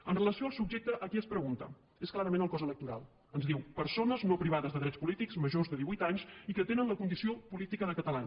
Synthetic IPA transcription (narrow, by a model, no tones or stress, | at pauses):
ənrələsioalˠsubʒek̚t̪əʔəkiəspɾəɣunt̪ə̰ | esklaɾəmenəlˠkɔzələk̚t̪uɾa̰lˠ | ənzðiwpəɾsonəznopɾiβ̞aðəzðəðɾɛt͡spulit̪ikzməʒozðəðiβujt̪aɲsikət̪enənləkund̪isiopulit̪ikənəkət̪əlan